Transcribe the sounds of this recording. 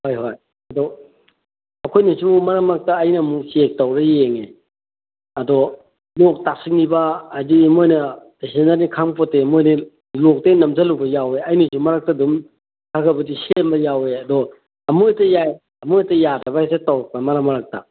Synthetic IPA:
hojɦoj | ɐdɔ | ɐkʰojnisumumɐɾamaɾak̚tɐːjnɐmusek̚tawɾɐjeŋe | ɐdɔ | lok̚tasik̚nibaːdimojnɐtesenaɾnikʰaŋpɔtemojni | lok̚tejnɐmzalubɐjaweɐjnisumɐɾak̚tɐdum | tʰakʰɐbɐdisembɐjaweɐdɔ | ɐmuejtɐjaj | ɐmuejtɐjadɐbaesetawɾɐk̚pɐmɐɾamɐɾak̚tɐ̰

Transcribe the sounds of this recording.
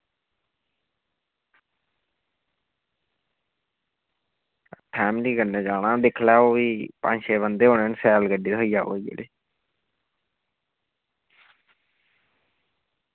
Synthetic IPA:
pʰɛːmliːɡənːeːd͡ʒaːɽãːd̪ɪkʰlɛːoːʋiːpə̰̃ɲʃeːβənd̪eːɦõːneənsɛːlɡəɖiːt̪ɦoiːaːo̰ːid͡ʒḛːlḛː

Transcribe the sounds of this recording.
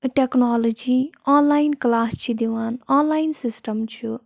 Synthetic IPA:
ʈɛknaːloːd͡ʒiːaːnlaːinklaːst͡ʃʰid̪eʋaːnaːnlaːinsɪsʈəmt͡ʃʰu

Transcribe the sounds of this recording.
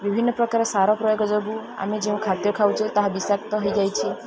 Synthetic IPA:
bibʱinːɔpɾɔkaɾɔsaɾɔpɾɔjɔɡɔd͡ʒɔbua̰med͡ʒeũkʰat̪jɔkʰawt͡ʃʰit̪aɦabisak̚t̪ɔɦɔjd͡ʒajt͡ʃʰi

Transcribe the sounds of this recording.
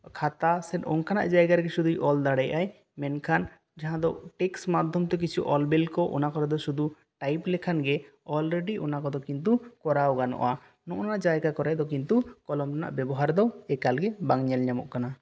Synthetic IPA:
kʰat̪asɛʈɔnkʰana̰ʔd͡ʒajɡaɾɡɛʃud̪ujʔɔld̪aɽajʔaj | mɛnkʰan | d͡ʒaɦãd̪ɔʈɛksmad̪ʱːɔmt̪ɛk̬it͡ʃʰuʔɔlbɛlkɔʔɔ̰nakɔɾɛd̪ɔʃud̪ʱu | ʈajplɛkʰanɡɛ | ɔlɾeɖiʔɔnakɔd̪ɔkint̪̬ukɔɾawɡanɔ̰ʔa | nɔʔɔnad͡ʒajɡakɔɾɛd̪ɔk̬int̪ukɔlɔmʈana̰ʔbɛbɔɦaɾd̪ɔɛkalɡɛbaŋɲɛlɲamɔ̰ʔkana

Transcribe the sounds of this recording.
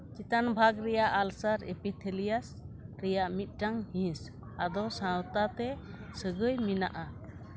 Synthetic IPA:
t͡ʃit̪anbʱaɡɾɛjaʔalsaɾɛ̰pit̪ʰelijasɾɛjaʔmit̪̚ˀʈaŋhĩs | ad̪ɔsãwt̪at̪ɛ | səɡəjmina̰ʔa

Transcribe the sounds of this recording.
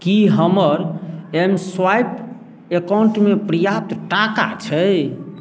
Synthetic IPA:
kiɦəməɾemswajp | ekauɳʈmepɾəjap̚t̪ʈaka̰t͡ʃʰə

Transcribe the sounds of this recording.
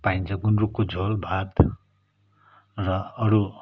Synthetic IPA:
paint͡sʰʌɡunrukːod͡zʱolbʱad̪ | rʌʌɾu

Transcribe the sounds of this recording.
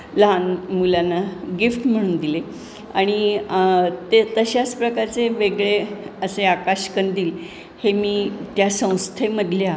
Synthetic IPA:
ləɦanmulanːaɡifʈm̤əɽ̃uːnd̪ile | aɽ̃i | t̪et̪əɕjaspɾəkaɾt͡seʋeɡɭeəseakaɕkənd̪iːl | hemiːt̪jasə̃w̃st̪ʰeməd̪ʱlja

